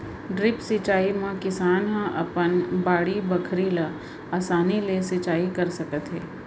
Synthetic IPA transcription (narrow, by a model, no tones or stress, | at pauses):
ɖɾɪpsɪt͡ʃaːimə̃kɪsaːnɦãʔɐ̰pənbaːɽibɐkʰɾila | aːsaːnilesɪt͡ʃaːikɐɾsɐkət̪ɦeː